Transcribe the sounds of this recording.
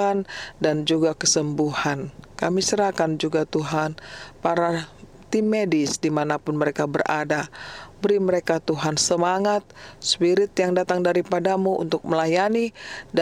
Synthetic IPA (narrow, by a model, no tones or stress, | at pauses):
andand͡ʒuɡakəsəmbuhankamisəɾakand͡ʒuɡat̪uɦanpaɾa | t̪imedɪsdimanapʊnməɾekabəra̰dabəɾiməɾekat̪uɦansəmaŋat̪̚spiɾɪt̪̚jaŋdat̪aŋdaɾipadamuʔṵnt̪ʊk̚məlajanid